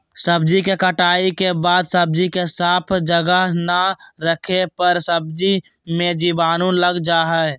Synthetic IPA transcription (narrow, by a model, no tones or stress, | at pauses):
səbd͡ʒikekəʈaːikebaːd̪səb̚d͡ʒikesaːpʰd͡ʒəɡəɦnaɾəkʰepəɾsəbd͡ʒi | mẽd͡ʒibaːnũləɡd͡ʒaɦɛ